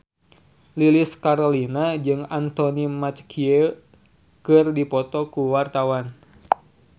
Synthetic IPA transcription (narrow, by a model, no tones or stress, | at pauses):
liliskaɾolinad͡ʒɨŋant̪ɔnimat͡ʃkʰiə | kɨrdipɔt̪ɔkuwart̪awan